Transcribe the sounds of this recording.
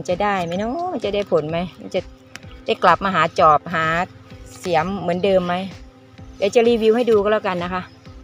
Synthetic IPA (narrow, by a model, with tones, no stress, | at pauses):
nt͡ɕa˧˩daː˥˩jma˧˩jnɔ˧˥ma˧˥nt͡ɕa˧˩da˥˩jpʰo˨˦nma˦˥jma˧˥nt͡ɕa˧ | da˥˩jkla˨˩p̚maː˧ɦaː˨˦t͡ɕɔː˨˩p̚ɦaː˩˦ | si˨˩˦əmːɯ˩˦əndɤː˧mːa˦˥j | jaː˨˩k̚t͡ɕa˧˨liː˧wi˧wha˥˩jduː˧kʰɔ˧˥laː˧˩˨ka˧nːa˦˥kʰa˦˥ʔ